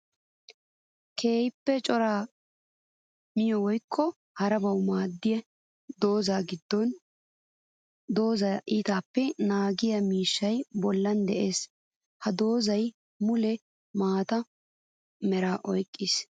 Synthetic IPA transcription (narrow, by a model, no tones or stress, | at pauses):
kʰe̞ːjɪpːɛt͡ʃʼɔɾaː | mɪjɔwɔjkʰːɔ | hɐɾɐbɐwmaːd̪ːɪjɛ | d̪o̞ːzaːɡɪd̪ːɔn | d̪oːzɐʔiːt̪aːpːɛnaːɡɪjɐmiːʃːɐjbɔlːɐnd̪ɛʔe̞ːs | hɐd̪o̞ːzɐj | mʊlɛ | maːt̪ɐ | mɛɾaːʔɔjkʼːɪs